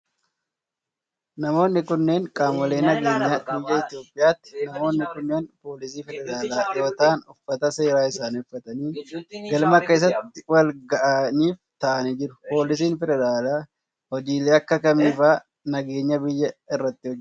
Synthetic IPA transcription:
nɐmo̞ːnːɪkʊnːe̞ːŋkʼaːmwɐle̞ːnɐɡe̞ːɲːɐbɪjːɐɪt̪ɪjo̞ːpʼːɪjaːt̪ːɪ̥nɐmo̞ːnːɪkʊnːeːnpo̞ːlɪsiːfɛd̪ɛɾaːlaːjo̞ːt̪aːnʊfːɐt̪ɐse̞ːɾaːɪsaːnʊfːɐt̪ɐniːɡɐlmɐke̞ːs̬ɐt̪ːɪwɐlɡɐʔɐniːft̪ɐʔɐnid͡ʒɪɾʊpo̞ːlɪs̬iːnfɛd̪ɛɾaːlaː | hɔd͡ʒiːleːɐkːɐkɐmiːfaː | nɐɡe̞ːɲːɐbɪjːɐɪrːɐt̪ːɪhɔd͡ʒː

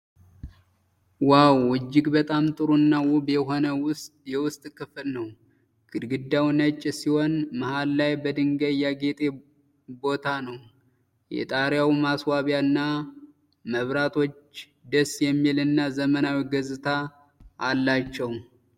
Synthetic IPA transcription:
wawːɨd͡ʒːɪɡbət̪ʼamt̪ʼɨɾuɨnːawʊbjɛɦo̞nəwʊst̪ʼjɛwʊst̪ʼkʰɨflnəw | ɡ̥ɨd̪ɡɨd̪ːawnət͡ʃʼːsiho̞nməhallajbəd̪ɨŋɡəjaɡe̞t̪ʼe̞ | bo̞t̪ʰanəw | jɛ̰t̪ʼaɾjawmaswaβjanːa | məβɾat̪ʰo̞t͡ʃː | d̪əsjɛmːilɨnːazəmənawiɡəzɨt̪ʰaː | lːat͡ʃːɛw

